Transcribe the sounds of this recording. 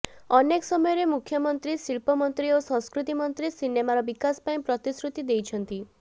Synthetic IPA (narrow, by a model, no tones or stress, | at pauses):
ɔneksɔmɔjɔɾemukʰjɔmɔnt̪ɾisiɭpɔmɔnt̪ɾiosɔ̃ŋ̃skɾut̪imɔnt̪ɾisinemaɾɔbikaspaĩpɾɔt̪isɾut̪id̪ejt͡ʃʰɔnt̪i